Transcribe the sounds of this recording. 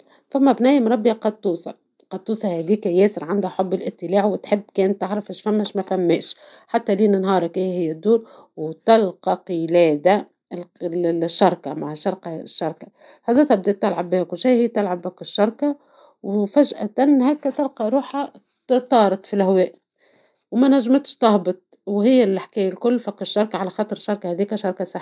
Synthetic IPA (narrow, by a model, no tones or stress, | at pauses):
famːæbnæːjɪmɾˤɑbːjaqɑd̪̚t̪ːuːsˤɑ̰ | qɑd̪̚t̪ːuːsˤɑhæd̪iːkajɛːsɪɾʕand̪haħʊbːɪlʔɪt̪ːɪlaːʕwɪt̪ħɪbːkɛːnt̪ːaʕɾˤɑfɪʃfæmːæʃmæfæmːɛːʃ | ħat̪ːaliːnɪnɦɑːɾˤakʔæjhɪjːad̪ːuːɾwt̪ɑlqɑqɪlɛːd̪a | lʃːɑɾˤkamaʕʃɑɾˤkɑʃːɑɾˤka | hæzæːt̪æb̚d̪et̪ːalʕabːɪhækʊʃijhɪjːæt̪ɪlʕabːækɪʃːɑɾˤka | wfæʒʔa̰t̪ænhæːkːæt̪ɪlqɑɾˤuːħa | t̪ɑːɾˤɑt̪ˤfilhæwɛːʔ | wmænæʒːmɪt̪ʃt̪ɑhbɨt̪̚ˤ | whɪjːælaħkæːjalkʊlːfækːɪʃːɑɾˤkaʕalæxɑːt̪ˤɾˤʃːɑɾˤkahæːðiːkæʃɑɾˤkasˤɑħ